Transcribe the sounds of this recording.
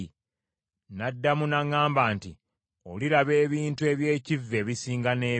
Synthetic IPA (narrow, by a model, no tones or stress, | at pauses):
nadːamunaŋːaːmbaːnti | o̞̰liɾaβe̞ːβiːntue̞ːβje̞ːcivːe̞βisiːŋɡane̞ː